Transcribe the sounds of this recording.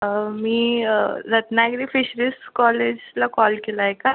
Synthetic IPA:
miːɾət̪naɡɾifiɕɾisʈkɔled͡ʑlakɔlkelaɦeka

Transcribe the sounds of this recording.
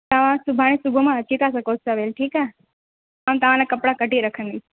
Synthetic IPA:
t̪əʋãsubʱaɽ̃ĩsubʱomãət͡ʃit̪asəkosəʋelʈʰiːka | amt̪əʋãnakəpɽakəʈiɾəkʰə̃nd̪i

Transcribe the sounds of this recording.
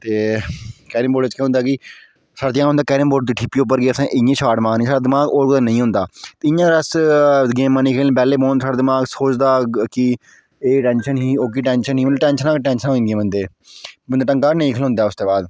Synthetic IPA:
t̪eːkɛːɾɪmboːɖt͡ʃkɛ̃ːɦʊnd̪aːkɪ | saːɽaːd̪ɪjãːɦʊnd̪aːkɛːɾɪmboːɖd̪iːʈʰɪpːiːʊp̬ːəɾɡeːəsãːʔɪjẽːʃaːʈmãːnĩːsaːɽaːd̪ɪmaːɡoːɾkʊd̪aːnəĩːɦʊ̃nd̪aːt̪eːɪjãːɾəsɡeːmːãːniːkʰeːlẽːpɛːleːbõːnsaːɽaːd̪ɪmaːɡsoːt͡ʃd̪aːkɪ | eːʈɛ̃ːnʃənɦiːoːk̬iːʈɛːnʃənɦiːməd̪ːʈɛːnʃənãːkʈɛ̃ːnʃənɦõːĩɡẽːmbənd̪eː | bənd̪ːʈəŋɡaːnẽĩːkʰəlɦʊ̃nd̪aːʊst̪eːbaːd̪

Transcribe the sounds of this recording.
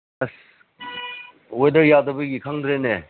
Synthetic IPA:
s | wedəɾjadɐbɯɡikʰaŋdɾene

